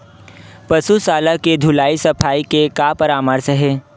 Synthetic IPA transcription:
pɐsusaːlaked̪ʱʊlaːisɐpʰaːikekaːpɐɾaːməɾsɦɛː

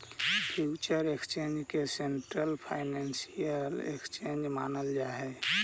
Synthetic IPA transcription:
pʰjut͡ʃəɾekst͡ʃend͡ʒkeseɳʈɾəlpʰaɪnensijəlḛkst͡ʃend͡ʒmanəld͡ʒaɦɛ

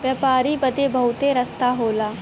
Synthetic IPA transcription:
ʋjəpaːɾiːbəd̪eːbəʊt̪eɾəst̪aːɦoːlaː

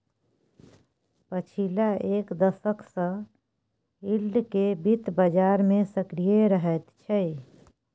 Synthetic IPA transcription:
pət͡ʃʰilaʔeːkd̪əsəksə̃ | ilɖkebit̪bəd͡ʒaːɾmẽsəkɾijeɾəɦət̪t͡ʃʰɛ

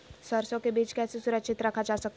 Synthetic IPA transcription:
səɾsõkebiːt͡ʃkɛːsesuɾəkʃʰɪt̪ɾɐkʰad͡ʒaːsək̚t̪

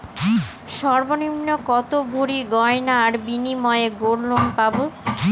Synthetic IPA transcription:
ʃɔɾboninːokɔt̪obʱoɾiɡɔenaːɾbinimɔeeɡoɾlonpabo

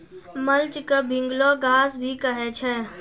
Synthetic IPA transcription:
məlt͡ʃkebʱɪ̃ŋɡloɡaːsbʱikəɦet͡ʃʰɛ

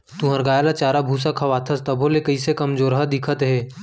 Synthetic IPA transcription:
t̪ũːɦɐɾɡaːjalat͡ʃaːɾabʱuːs̬akʰɐʋaːt̪ʰəst̪ɐbʱõlekɐisekɐmd͡ʒoːɾɦəd̪ɪkʰət̪ɦɛː

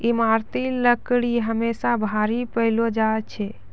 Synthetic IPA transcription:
imaɾt̪iləkɽiɦəmesabʱaɾipəɪlod͡ʒaet͡ʃʰɛ

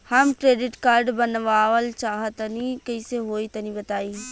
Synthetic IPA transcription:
həmkɾeɖɪʈkaɾɖbənʋaʋəlt͡ʃaːɦət̪nikəɪseɦoit̪ənibət̪aːi

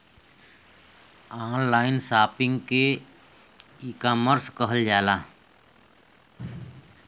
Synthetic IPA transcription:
aːnlaːɪnsaːpɪ̃ŋɡke | ikaːməɾskəɦəld͡ʒaːlaː

